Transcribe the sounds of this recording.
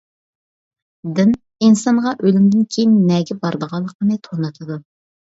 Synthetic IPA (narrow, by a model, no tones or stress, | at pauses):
d̪ɪn | insɑŋʁɑʔølymd̪ɪnkʲʰejinːɛɡʲɛbɑɾd̪əʁɑlˠːəqənɨt̪ʰonɨt̪ʰɨd̪u